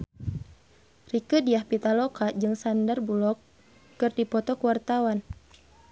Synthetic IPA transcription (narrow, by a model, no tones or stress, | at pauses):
rikədiahpit̪alɔkad͡ʒɨŋsandarbulɔkː | ɨrdipɔt̪ɔkuwart̪awan